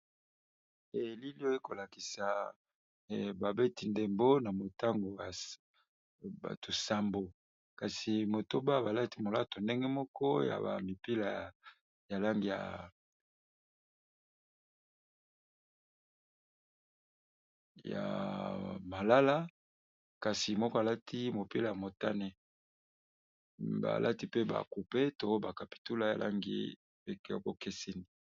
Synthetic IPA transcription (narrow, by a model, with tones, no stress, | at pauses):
e˨li˦li˦o˦e˦ko˨la˨ki˨sa˨ | ba˨be˦ti˨nde˨mbo˦na˨mo˨ta˦ŋɡo˨ja˨ | ba̰˨tʰo˨sa˨mbo˨ | ka˨si˨mo˨to˦ba˦ba˨la˦ti˨mo˨la˦to˨nde˦ŋɡe˦mɔ˦kɔ˦ja̰˨ba̰˨mi˨pi˦la˨ | ja˨la˦ŋɡi˨ja̰˨ | ja̰˨ | ma˨la˦la˦ | ka˨si˨mɔ˦kɔ˦a˨la˦tʰi˦mo˨pi˦la˨ja˨mo˨ta˦ne˨ | ba̰˨lʔa̰˦ti˦pe˦ba̰˨ku˨pe˦to˨o˦ba˨ka˨pi̥˨tu˦la˨ja̰˨lʔa̰˦ŋɡḭ˦˨˦ | ko˦ke˦se˦ni˨